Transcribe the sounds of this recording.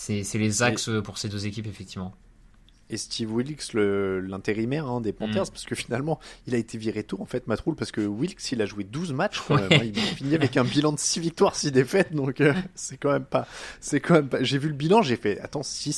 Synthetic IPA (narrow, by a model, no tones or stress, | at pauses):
sɛsɛlezaksøpuʁsed̪øzekʲipefɛkt̪ivmɑ̃ | est̪ʰivwilksləlɛ̃t̪eʁimɛʁɛ̃d̪epɑ̃t̪ɛʁzpaʁsə̥kəfinalmɑ̃ilaet̪ʰeviʁet̪uʁɑ̃fɛt̪mat̪χulpaʁsə̥kəwilksilaʒuwed̪uzmat͡ʃkɑ̃mɛmɛ̃ilmɛfiniavɛkɛ̃bilɑ̃d̪əsivik̚t̪waʁsid̪efɛt̪̚d̪ɔ̃køsɛkɑ̃mɛmpasɛkɑ̃mɛmpaʒevyləbilɑ̃ʒefɛa̰t̪ɑ̃si